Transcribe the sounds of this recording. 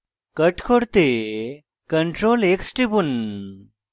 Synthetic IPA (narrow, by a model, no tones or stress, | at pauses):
kəʈkʰoɽt̪e | kəɳʈɾoleksʈibun